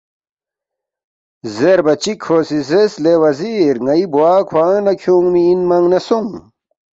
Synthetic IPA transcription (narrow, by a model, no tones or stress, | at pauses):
zeɾbɐt͡ɕikʰoːsizeslewɐziɾŋɐibuwaːkʰwaːnɐkʰjũːŋmiːnmɐŋnɐsuŋ